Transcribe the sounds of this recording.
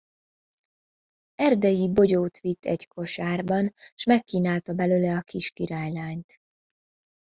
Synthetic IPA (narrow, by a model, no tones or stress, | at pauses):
ɛrd̪ɛjibo̞ɟoːt̪ʋit̪ʰːɛ̰ɟkʰo̞ʃaːrbɒnʃmɛkːiːnaːlt̪ɒbɛløːlɛɒkiʃkiɾaːjlaːɲt̪